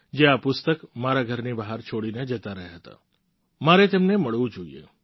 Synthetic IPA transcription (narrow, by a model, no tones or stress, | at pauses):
d͡ʒeapʊst̪əkmaɾaɡʱəɾnibaɦaɾt͡ʃʰoɽined͡ʒət̪aɾəɦaɦət̪a̰ | maɾet̪emneməɭʋũd͡ʒoḭḛ